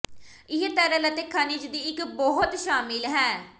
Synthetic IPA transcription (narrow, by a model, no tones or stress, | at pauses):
ɪɦet̪ɛɾələt̪ekʰaːnid͡ʒd̪iːɪkbɔɦʊt̪ʃaːmɪlɦɛː